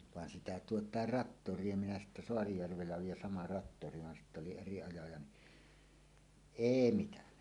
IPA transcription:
ʋɑˑen sitæ tuotˑɑˑer rɑtːorˑie minæ sitːæ soɑrijærʋelːæ oiːj jɑ sɑmɑ rɑtːori ʋɑn sitː oli eri ɑjɑjɑ ni eˑi mitænæ

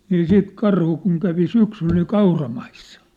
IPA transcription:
niː siːt kɑrhu kun kæʋi syksyl ni kɑurɑmɑisːɑ

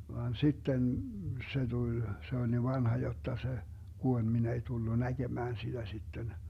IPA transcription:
ʋɑːn sitːen se tul se ol niʋ ʋɑnhɑ jotːɑ se ɡ̊uolʲ min ei tulːu næɡ̊emæːn sid̥æ sitːen

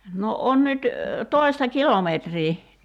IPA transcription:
no on nyt toi̞stɑ kilometriː

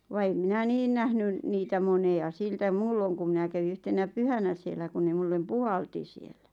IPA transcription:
ʋɑ em minæ niːn næhnyn niːtæ moneɑ siltæ muːlːoŋ kum̆ minæ kæʋi yhtenæ pyhænæ sielːæ kun ne mulːem puhɑlti sielːæ

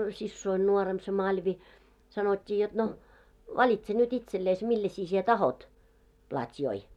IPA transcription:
sisːoin nuoremp se mɑlʲʋi sɑnotʲːiː jot no ʋɑlitse nyt itselːeis milːɛsi sie tɑhot plɑtʲjoi

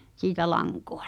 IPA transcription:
siːtæ lɑŋko̥ɑ̥

